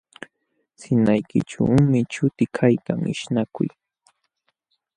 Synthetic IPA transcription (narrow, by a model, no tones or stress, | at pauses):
sɪnajkɪ̰ʈ͡ʂa̰mɪt͡ʃʊt̪ɪkʰajkaŋɪ̰ʃnakʊ̰j